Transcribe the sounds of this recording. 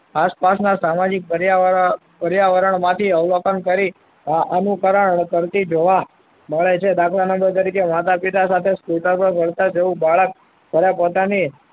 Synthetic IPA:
aspasnasamad͡ʒik̚pəɾja | pəɾjaʋəɾəɳmãt̪ʰiəʋlokənkəɾi | aʔənukəɾəɳkəɾt̪id͡ʒoʋa | məɭet͡ʃʰed̪akʰlanəmbəɾt̪̬əɾikemat̪apit̪asat̪ʰeskuʈəɾpəɾbʱəɾt̪ad͡ʒeʋũbaɭək̚ | bʱəɾapot̪ani

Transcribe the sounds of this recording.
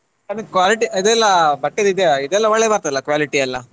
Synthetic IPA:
kɐnɯkʋaːliʈiid̪ɛlːɐbɐʈːed̪id̪eid̪ɛlːɐʋɐɭːebaɾt̪aɛlːɐkʋaːliʈiɐlːɐ

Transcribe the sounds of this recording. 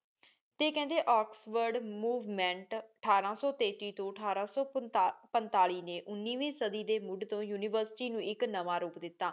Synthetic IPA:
t̪eːkɛ̃ːnd̪eːʔɔːksʋəɾɖmuːʋmɛ̃ːɳʈəʈʰaːɾãːsɔːt̪eːt̪iːt̪õːəʈʰaːɾãːsɔːpənt̪aːliːneːʔʊnːiːʋẽːsəd̪iːd̪eːmʊɖt̪õːjuːniːʋəɾsʈiːnũːʔɪknəʋãːɾuːpd̪ɪt̪ːaː

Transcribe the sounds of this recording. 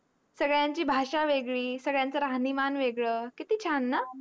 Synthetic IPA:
səɡɭjãɲt͡ɕiːbʱaʂaʋeɡɭiːsəɡɭjãnt͡səɾaɦnimanʋeɡɭəːkit̪iːt͡ɕʰanːa

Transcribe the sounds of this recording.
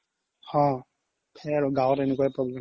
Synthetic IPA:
hɔ̃ | pʰɛaɹʊɡawtɛnɛkuaɛpɹɔblɛ

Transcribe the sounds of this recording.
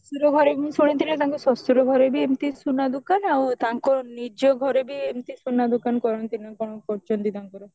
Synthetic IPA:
suɾoɡʱɔɾebiminsuɽ̃int̪ʰilet̪aŋkosɔsuɾoɡʱɔɾebiemt̪isunad̪ukanawt̪aŋkonid͡ʒoɡʱɔɾebiemt̪isunːad̪ukankɔɾont̪inɔkɔnopɔɾt͡ʃɔnt̪it̪aŋkɔɾo

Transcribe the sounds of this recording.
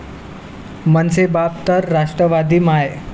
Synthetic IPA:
mənsebab̚t̪əɾːaʂʈɾəʋad̪iːmaj

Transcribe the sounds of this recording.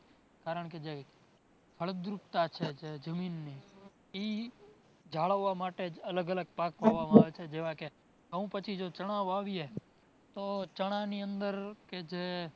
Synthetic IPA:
kaɾəɳked͡ʒe | kʰəɭəd̪ɾupt̪at͡ʃʰed͡ʒed͡ʒəminːi | i | d͡ʒʱaɭəʋːamaʈed͡ʒələɡələɡ̚pakpaʋamãaːʋet͡ʃʰed͡ʒeʋãke | əʋũpət͡ʃʰid͡ʒot͡ʃəɽ̃aʋoaʋije | t̪ot͡ʃəɽ̃aniənd̪əɾked͡ʒe

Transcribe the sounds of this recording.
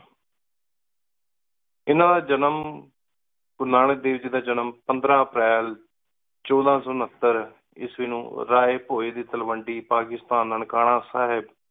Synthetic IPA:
ɪnãːd̪aːd͡ʒənəm | kʊnaːɽ̃eːd̪eːʋd͡ʒiːd̪aːd͡ʒənəmpənd̪ɾãːəpɾɛːl | t͡ʃɔːd̪ãːsɔːnət̪ːəɾ | ɪ̰sʋiːnṵ̃ːɾaːeːpoːeːd̪iːt̪əlʋəɳɖiːpaːkɪst̪aːnəɳkaːɽ̃ãːsaːɦɪb

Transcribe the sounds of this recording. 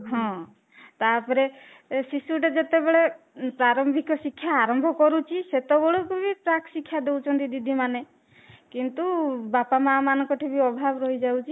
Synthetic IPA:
ɦɔ̃ | t̪aɾpɔɾe | sisuʈed͡ʒet̪ebeɭe | pɾaɾɔmbʱikɔsikʰːjaːɾɔmbʱɔkɔɾut͡ʃʰiset̪ɔbɔɭukubipɾakʰsikʰːjad̪ewt͡ʃʰɔnt̪id̪id̪ʱimane | kint̪ubapamamanɔŋkɔʈʰibiɔbʱabɔɾɔɦid͡ʒawt͡ʃʰi

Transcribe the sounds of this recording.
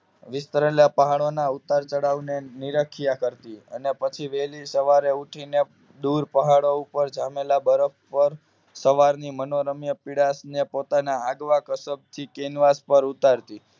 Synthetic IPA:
ʋɪst̪əɾelapəɦaɽonaut̪aɾt͡ʃəɽaʋneniɾəkʰijakəɾt̪iə̰nepət͡ʃʰiʋelisəʋaɾeuʈʰine | d̪uɾpəɦaɽoupəɾd͡ʒamelabəɾəfpəɾ | səʋaɾnimənoɾəmjəpiɽasnepot̪anaaɡʋakəsəb̚t̪ʰikenʋaspəɾut̪aɾt̪i

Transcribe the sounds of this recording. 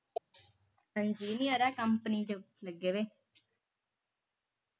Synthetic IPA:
səɲd͡ʒiːnijəɾɛːkəmpəniːd͡ʒo | ləɡːeːʋeː

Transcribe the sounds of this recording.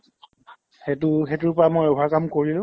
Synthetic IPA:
hetʊxetʊɹpɔɹamojɔakamkoɹilʊ̃

